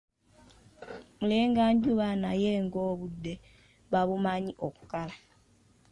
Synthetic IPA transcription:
muleːŋɡaːɲɟuβanaje̞ŋɡo̞ːβudːe̞ | βaβumaɲiʔo̞ku̥kala

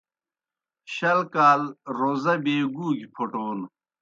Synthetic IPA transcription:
ɕɐlkaːlɾozɐbeːɡuːɡipʰoʈoːn

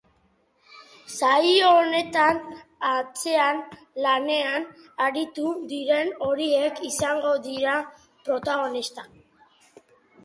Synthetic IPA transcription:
sajoːne̞t̪anat͡se̞an | lane̞an | aɾit̪uðiɾe̞no̞ɾie̞kisaŋɡo̞ðiɾa | pɾo̞t̪aɣo̞nist̪a

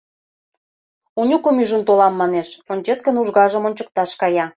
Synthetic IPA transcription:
unʲukəmyʒə̆nt̪olɑmːɑneʃonʲt͡ɕet̪̚kə̆nuʒɣɑʒəmonʲt͡ɕək̚t̪ɑʃkɑjɑ

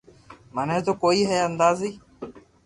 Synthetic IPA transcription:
məneːt̪oːkoːiːɦɛːənd̪aːziː

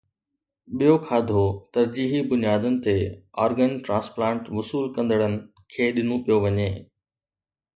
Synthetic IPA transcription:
ɓijokʰaːd̪ʱot̪ɐɾd͡ʑiːɦibʊnijaːd̪ənɪ̆t̪eɔːɾɡənʈɾãːsplãːɳʈʋɐsuːlkɐ̃nd̪əɽənɪ̆ | kʰeːɗɪn̤õpijoʋɐɲeː

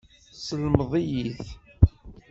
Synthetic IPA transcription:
səlmðˤijiθ

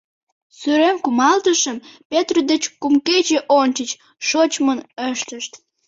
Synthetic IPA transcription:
syɾemkumɑlt̪əʃəmpet̪ryd̪et͡ɕkumket͡ɕeʔont͡ɕət͡ɕ | ʃot͡ɕmonəʃt̪əʃt̪

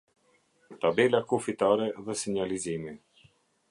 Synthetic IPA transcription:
t̪abɛlakufit̪aɾɛðɛsiɲalizimi

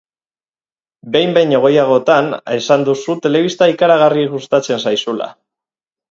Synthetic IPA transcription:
be̞jmbe̞jɲe̞ɣ̞o̞jaɣ̞o̞t̪ane̞sand̪usut̪e̞le̞β̞ist̪aikaɾaɣ̞ariɣust̪at͡se̞nsajsula̰

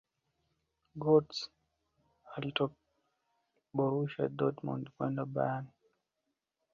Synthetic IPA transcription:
ɡɔts | alitɔk̚ | bɔɾuʃa̰dɔtmɔ̰ndkwɛndaba̰jani

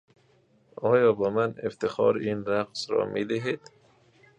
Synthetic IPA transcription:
ɒːjɒːbæmaneft̪ɪxɒ̰ɾinɾaqsɾɒ̰mʔid̪ɪɦed̪̥

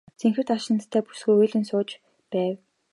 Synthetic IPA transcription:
t͡sʰeŋxɘ̆wt̪aʃɪ̆nt̪ʰːæːpu̥sɡujɵjɮɘ̆nsʊːt͡ɕ | pæːw

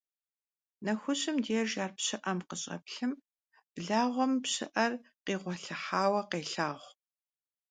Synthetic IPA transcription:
nɐxʷʊɕɨmdeʒaːrpɕɨʔɐmqəɕʼɐ̰pɬɨm | b̥ɮaːʁʷɔmpɕɪ̰ʔɐrqeːʁʷɔɬɐħaːwɐqeːɬaːʁʷ

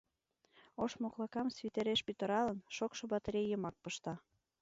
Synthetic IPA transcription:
oʃmoklˠɑkɑmsvit̪eɾeʃpyt̪ə̆ɾɑlə̆nʃokʃŏbɑt̪ɾʲejəmɑk̚pɤʃt̪ɑ

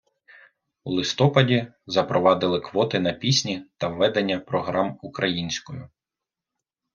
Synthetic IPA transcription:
ulˠɪst̪ɔpɐdʲi | zɐpɾɔʋɑd̪ɪlˠɪkʋɔt̪ɪnɐpʲisʲnʲit̪ɐʋːɛd̪enʲːɐpɾɔɦɾɑmukɾɐjinʲsʲkɔjʊ

